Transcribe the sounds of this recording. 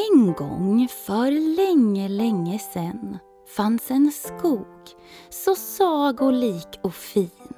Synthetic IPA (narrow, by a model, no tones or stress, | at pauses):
ɛnɡɔ̰ŋfœɾlɛŋːəlɛŋːəsɛn | fansɛnskuːɡ̥ | sɔsɑːɡɔliːkʰɔfiːn